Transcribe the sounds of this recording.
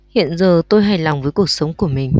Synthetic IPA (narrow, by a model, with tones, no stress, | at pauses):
hḭ˧˨ənzəː˨˩t̪o˧jɦa˧˩jla˨˩wŋ͡mvəː˨˦jku˨˩ək̚sə˨˦wŋ͡mku˧˩əmï˨˩ŋ̟